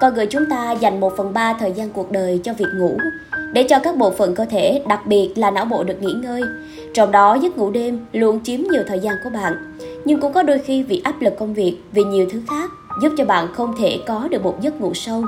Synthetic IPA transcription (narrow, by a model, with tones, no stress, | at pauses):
kɔ˧jɣɨ̰˧˨jt͡ɕʊ˨˦ŋ͡mt̪aː˧za˨˩jŋ̟mo˨˩t̚fə˨˩nɓaː˧t̪ʰəː˨˩jzaː˧nku˨˩ək̚ɗəː˨˩jt͡ɕɔ˧vi˨˩ək̚ŋṵ˧˥ | ɗe˧˩t͡ɕɔ˧kaː˦˥k̚ɓo̰˧˨fə̰˨˩nkəː˧t̪ʰe˧˩ɗa˨˩k̚ɓi˨˩ət̚laː˨˩na̰ː˧˥wɓo̰˧˨ɗɨ˨˩ək̚ŋḭ˧˥ŋəː˧j | t͡ɕɔ˧wŋ͡mɗɔ˨˦zə˦˥t̚ŋṵ˧˥ɗe˧mlu˧˨ənt͡ɕi˨˦əmɲi˨˩əwt̪ʰəː˨˩jzaː˧nku˧˩əɓa̰ː˧˨n | ɲɨ˧ŋkʊ̰˧˥ŋ͡mkɔ˨˦ɗo˧jxi˧vḭ˧˨ʔaː˦˥p̚lɨ˨˩kːə˧wŋ͡mvi˨˩ək̚vi˨˩ɲi˨˩əwt̪ʰɨ˨˦xaː˦˥p̚zu˦˥p̚t͡ɕɔ˧ɓa̰ː˧˨nxə˧wŋ͡mt̪ʰe˧˩kɔ˨˦ɗɨ˨˩ək̚mo˨˩t̚zə˦˥t̚ŋṵ˧˥sə˧w